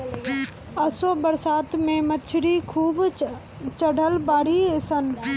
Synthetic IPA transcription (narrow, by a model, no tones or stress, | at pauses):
əsobəɾsaːt̪mẽmət͡ʃʰɾikʰuːb | t͡ʃəɽʱəlbaːɽiesən